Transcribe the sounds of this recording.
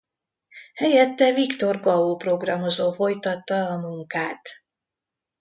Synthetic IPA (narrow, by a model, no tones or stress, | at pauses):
hɛjɛt̪ːɛvikt̪o̞rɡɒuːpro̞ɡrɒmo̞zoːfo̞jt̪ɒt̪ːɒːmuŋkaːt̪